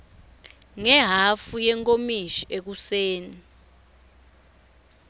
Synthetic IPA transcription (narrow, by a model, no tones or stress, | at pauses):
ŋɛɦafujɛŋkʼomiʃiʔek̬useːni